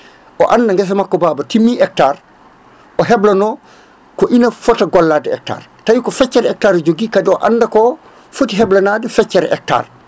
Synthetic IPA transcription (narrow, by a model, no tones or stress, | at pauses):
ʔɔ̰ʔandaŋɡɛs̬amakːɔbaːbatimːiʔɛk̚taːɾ | ɔɦɛblanɔ | kɔʔinafɔtaɡɔlːaːdɛɛ̰k̚ta̰ːɾtajikɔfɛt͡ʃːɛɾɛk̚taɾd͡ʒoɡikadiɔʔa̰nːdakɔ | fotiɦɛblanadɛfɛt͡ʃːɛɾɛʔɛ̰k̚ta̰ːɾ